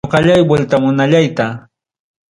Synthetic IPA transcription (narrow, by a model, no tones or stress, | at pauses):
qɑʎajbwelt̪amʊnaʎajt̪a